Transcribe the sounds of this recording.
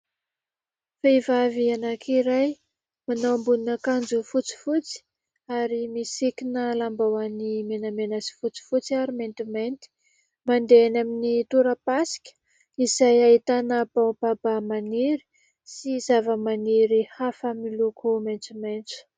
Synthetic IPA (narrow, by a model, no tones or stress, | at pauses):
fevavianakʰiɾaj | manowmbuninakand͡zufut͡si̥fut͡si̥ | aɾimisikinəlambawanimenamenasi̥fut͡si̥fut͡siaɾiment̪iment̪i̥ | mand̪enaminit̪uɾəpasi̥kʲə̥ | izajait̪anəbawbabamaniɾi̥ | sizavəmaniɾihafəmilukʰument͡sumejnt͡su̥